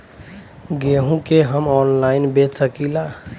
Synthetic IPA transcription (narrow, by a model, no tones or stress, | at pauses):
ɡeɦũkeɦəmɔnlainbetsəkila